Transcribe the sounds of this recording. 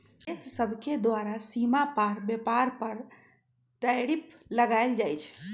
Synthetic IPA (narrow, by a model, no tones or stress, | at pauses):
essəbʱked̪waɾasimapaɾbepaɾpəɾ | ʈəjɾipləɡaɪld͡ʒajt͡ʃʰ